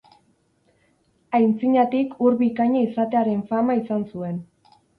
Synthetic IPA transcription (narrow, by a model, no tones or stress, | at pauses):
ajnt͡siɲat̪ikuɾβikaɲaisat̪e̞aɾe̞ɱfamaisansue̞n